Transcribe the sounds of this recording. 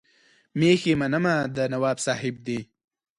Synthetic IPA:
mexemanəmad̪ənawɑːbsɑːhɪb̚d̪i

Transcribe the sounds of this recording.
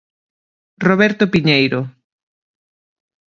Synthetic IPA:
roβɛɾt̪opiɲejɾo

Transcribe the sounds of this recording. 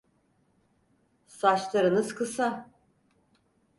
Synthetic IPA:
sat͡ʃlˠaɾɯnɯzkʰɯsa

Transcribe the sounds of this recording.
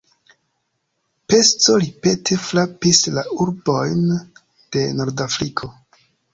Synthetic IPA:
pe̞st͡so̞ɾipe̞tʰe̞flapislauɾbo̞jn | d̥e̞no̞ɾdafɾikʰo̞

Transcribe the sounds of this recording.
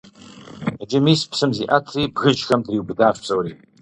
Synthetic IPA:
ad͡ʒɐmiːspsɨmziʔatʰriːbɣɨd͡ʒxɐmdriwbɨdaːɕʷpsʼɐwriː

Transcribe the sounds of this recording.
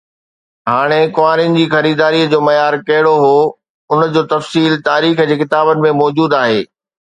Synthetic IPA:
ɦaːɽ̃ekʊʋaːɾijənɪ̆d͡ʑiːxɐɾiːd̪aːɾiəd͡ʑoːmɐjaːɾkɐɦɪɽoɦoː | ʊnəd͡ʑoːt̪ɐfsiːlt̪aːɾiːxd͡ʑeːkɪt̪aːbənɪ̆mẽmɔːd͡ʑuːd̪aːɦeː

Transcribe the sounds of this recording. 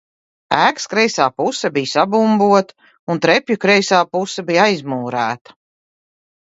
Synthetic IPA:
æːkskɾɛjsaːpusɛbijsabumbuɔt̪ | unt̪ɾɛpʲjukɾɛjsaːpusɛbijajzmuːɾæ̰ːt̪ɐ̥

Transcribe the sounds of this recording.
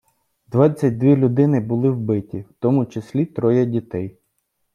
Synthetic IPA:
d̪ʋat͡sʲːɐt̚ʲd̪ʋʲilʲʊd̪ɪnɪbʊlˠɪwbɪtʲiwt̪ɔmʊt͡ʃesʲlʲit̪ɾɔjɐdʲit̪ɛj

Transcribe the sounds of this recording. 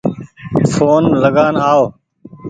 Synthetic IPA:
foːnləɡaːnɦaːoː

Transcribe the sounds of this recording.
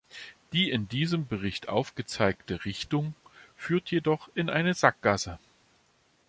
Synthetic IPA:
d̥iːɪndiːzəmbəʁɪçtʔa̰ʊfɡ̥ət͡saɪktəʁɪçtʊŋfyːɐtʰjedɔχɪnʔa̰ɪnəzak̚ɡ̥asə

